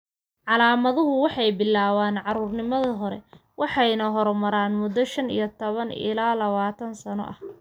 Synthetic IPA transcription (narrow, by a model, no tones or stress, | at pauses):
ʕɑlaːmɐðʊɦʊwɑħɑjbɪlːaːwaːnʕɑɾuːrnɪmɐðɐɦɔɾɛ̰ | wʔɑħɑjnɐɦɔɾmɐɾaːnmʊd̪ːɔʃɐnḭjɔt̪ʰɔβɐnɪ̰laːlɐβaːt̪ʰɐnsɐnɔ̰ʔɐh